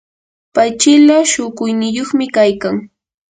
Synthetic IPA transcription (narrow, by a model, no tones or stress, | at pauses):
pajt͡ʃɪlaʃʊkʊjnɪjoχmɪkajkaŋ